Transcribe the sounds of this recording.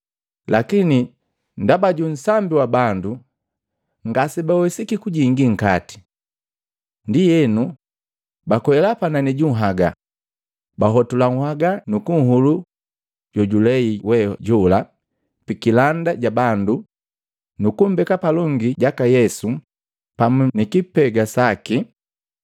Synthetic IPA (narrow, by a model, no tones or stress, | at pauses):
lakini | ndabaɟun̩sambiwabandu | ŋɡasɛbawɛsikikuɟiŋɡiŋ̩kati̥ | ndijɛnu | bakɔɛlapananiɟuŋ̩ɦaɡa̰ | baɦɔtulaŋ̩haɡanukuŋ̩ɦulu | ɟ̥ɔɟulɛiwɛɟula | pikilandaɟabandu | nukum̩bɛkapalɔŋɡiɟakajɛsu | pamunikipɛɡasaki